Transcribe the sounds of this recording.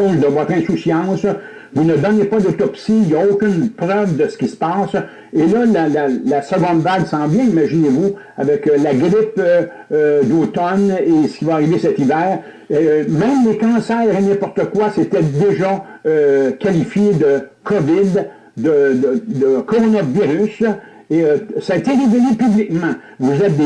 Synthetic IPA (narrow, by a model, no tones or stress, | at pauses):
zd̪əvɔt̪ʁɛ̃susjɑ̃s | vunəd̪ɔnepad̪ot̪ɔpsiljaokʲʏnpʁœvd̪əsə̥kʲisə̥pɑːs | elʌlalalasəɡɔ̃d̪vaɡsɑ̃vjɛ̃imaʒinevu | avɛklaɡʁɪpː | d̪oːt̪ɔnesə̥kʲivaːʁivesɛt̪ivɛːʁ | emɛ̃ɪ̃mlekɑ̃ːsɛːʁenɛ̃pɔʁt̪əkwaset̪ɛd̪eʒaøkʲalifjed̪əkʰɔvɪd̪ː | əd̪əd̪əkɔʁɔnaviʁys | eøsaet̪eʁevelepyblikmɑ̃ | vuzɛt̪̚d̪